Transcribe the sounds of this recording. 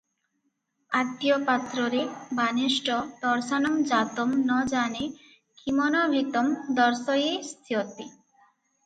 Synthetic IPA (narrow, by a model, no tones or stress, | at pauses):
at̪ːiopat̪ɾɔɾebaneʃʈɔd̪ɔɾsanɔmd͡ʑat̪omnɔd͡ʑane | kʰimɔnɔbʱit̪ɔmd̪ɔɾsɔjest̪ʰiot̪i